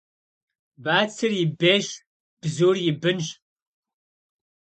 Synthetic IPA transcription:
baːt͡sʰɨrjɪbeːɕ | b̥zuːrjɪbɨnɕ

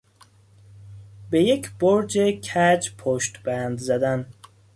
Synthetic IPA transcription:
bejecʰboɾd͡ʒekʰæd͡ʒpʰoʃt̪b̥ænd̪zæd̪æn

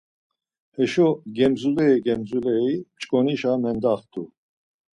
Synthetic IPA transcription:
hɛʃɔɡɛmzulɛiɡɛmzulɛimt͡ʃʼkʼɔniʃamɛnd̪aχt̪ʼu

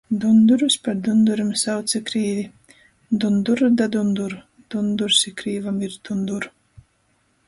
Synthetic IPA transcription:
d̪und̪uɾuspaɾd̪und̪uɾamsawt̪sɨkɾiːvi | d̪und̪uɾd̪ad̪und̪uɾ | d̪̥und̪uɾsikɾiːvamiɾd̪̥und̪uɾ

